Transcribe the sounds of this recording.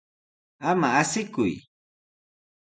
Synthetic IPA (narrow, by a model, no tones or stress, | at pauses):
amaasɪkʊ̰j